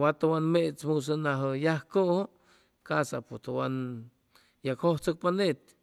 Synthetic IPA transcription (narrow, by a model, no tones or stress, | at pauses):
wat̪owanmet͡smus̬ənaɦəjahkoʔho | kasapust̪owan | jakhoht͡sok̚panet̪̚